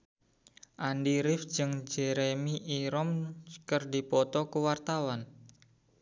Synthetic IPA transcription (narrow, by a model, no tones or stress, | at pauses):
ʔandiɾɪfd͡ʒɨŋd͡ʒɛɾemiʔiɾɔmkərdi̤pɔt̪ɔkuwart̪awan